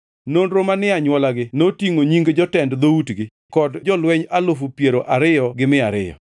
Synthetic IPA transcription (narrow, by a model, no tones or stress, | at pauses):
nonɾomanɪaɲwɔlaɡɪnotiŋoɲiŋɡd͡ʒɔtɛndd̪outɡɪ | kɔdd͡ʒɔlwɛɲalʊfupjeɾoʔaɾɪjɔɡɪmɪaɾɪ̰jɔ̰